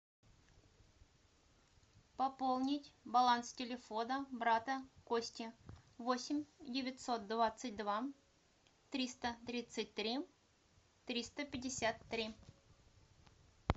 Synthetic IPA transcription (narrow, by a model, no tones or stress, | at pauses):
pɐpolˠnʲɪtʲbɐlˠanstʲɪlʲɪfonəbɾat̪əkosʲtʲɪvosʲɪmʲdʲɪvʲɪtʲso̞t̪̚d̪vat̪sɨt̚ʲd̪va | t̪ɾʲist̪ət̪ɾʲit̪sɨt̚ʲt̪ɾʲi | t̪ɾʲist̪əpʲɪdʲːɪsʲat̪ːɾʲi